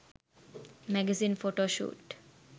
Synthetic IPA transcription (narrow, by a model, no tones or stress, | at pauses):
mɛɡɛziːnfoʈoːʃṵːʈ